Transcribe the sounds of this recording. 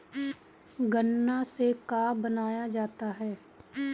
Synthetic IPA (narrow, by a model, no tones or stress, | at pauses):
ɡənːasekaːbənaːjad͡ʒaːt̪aɦɛː